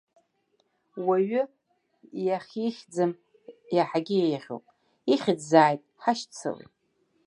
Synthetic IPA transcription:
waɥʏ | jaχʲiʃʲd͡zɨm | jaħaɡʲɪejʁʲo̰pʼ | iχʲɪd͡zzaːjtʼħaʃt͡sʰɨ̰wḭtʼ

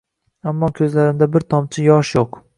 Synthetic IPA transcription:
amːɒkʲʰɵzlaɾɪmd̪abɪɾt̪ʰɒmt͡ʃʰɪjɒʃjoq

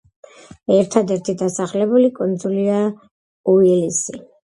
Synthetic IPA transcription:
ɛɾt̪ʰad̪ɛɾt̪ʰid̪asaχlɛbulikʼɔnd̪zulia | uilisi

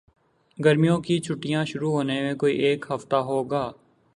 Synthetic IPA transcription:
ɡəɾmijõkit͡ʃʰʊʈːijãʃʊɾuɦoːnemẽkoːḭʔeːkɦəft̪aɦoːɡaː

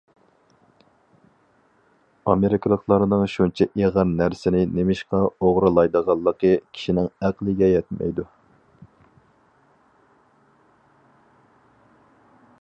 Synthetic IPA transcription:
ɑmeɾikʰlˠəχlˠɑɾnɨŋʃunt͡ʃʰɛʔeʁɑɾnæɾsɪnɪnemɪʃqɑoʁɾɨlˠɑjd̪əʁɑlˠːəqəkʲʰi̥ʃinɪŋæqlˠɪɡʲɛjɛt̪mɛ̰jd̪u

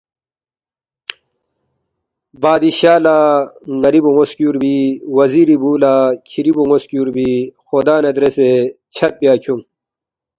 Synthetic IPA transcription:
baːd̪iɕaːlaːnɐɾibuŋoskuːɾbiwɐziːɾibuːlaːkʰiɾibuŋoskjuːɾbixod̪aːned̪ɾeset͡ɕʰɐt̪̚pijaːkʰuŋ

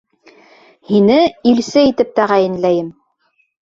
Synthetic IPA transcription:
hinɘilsɘit̪ɘp̚t̪æʁæjɘ̆nlæjɘm

